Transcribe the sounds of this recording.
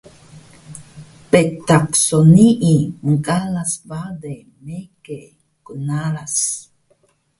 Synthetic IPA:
pet̪aksoniʔimuŋkʼalasbad̪e | meke | kunaɾas

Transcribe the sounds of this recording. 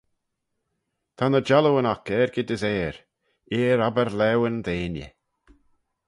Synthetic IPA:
t̪ʰanəd͡ʒaləwənakɛːɹɡɪd̪əzɛːɹ | iːɾabəɾlɛwənd̪eːnjə̰

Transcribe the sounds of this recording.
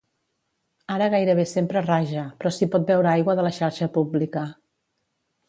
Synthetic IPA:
aɾəɣajɾəβ̞esempɾəraʒəpɾɔsipɔt̪̚bɛwɾəajɣwəðələʃaɾʃəpublikə

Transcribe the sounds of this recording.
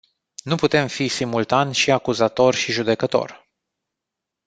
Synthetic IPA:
nuput̪e̞mfisimult̪anʲʃiakuzat̪o̞rʃiʒud̪e̞kət̪o̞̰r

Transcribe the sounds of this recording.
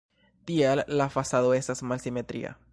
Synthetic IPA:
d̪ialːafasaðoesasmalsimet̪ɾḭa̰

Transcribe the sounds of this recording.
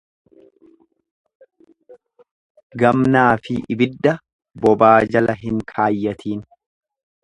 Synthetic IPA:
ɡɐmnaːfɪʔɪbɪd̪ːɐ | bɔbaːd͡ʒɐlɐɦɪŋkʰaːjːɐt̪ʰiːn

